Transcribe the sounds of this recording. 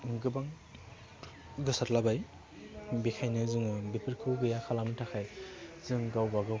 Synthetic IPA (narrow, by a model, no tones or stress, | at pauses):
ɡɯbaŋ | ɡɯsatlabaj | bekʰajnɯzɯŋɯbepʰiɾkʰɯwɡɯjakʰalamitʰakʰajzɯŋɡawbaɡɯ